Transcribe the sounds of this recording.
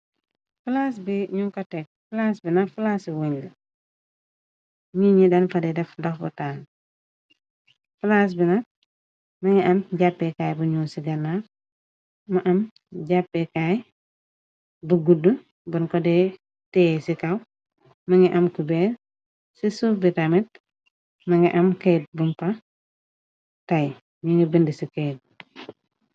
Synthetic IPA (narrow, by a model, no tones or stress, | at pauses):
fulaːs̬biɲuŋkɐtɛk̚fulaːsbinɐfulasiwuɲlɐ | ɲiɲidɐnfɐdɛdɛfdɐxbɐ̰taːŋ | fulaːs̬binɐt̚ | mɐŋiʔɐmɟapːɛkaːjbuɲuːnsiɡɐnːa | mɐʔɐm | ɟapːɛkaːj | buɡudːu | bɐnkɔdɛ | tɛːsikɐw | mɐŋiʔɐmkubɛ | sisubitamit̚ | mɐŋiʔɐmkejt̚bumpɐ | tɐj | ɲuŋibindisikejt̚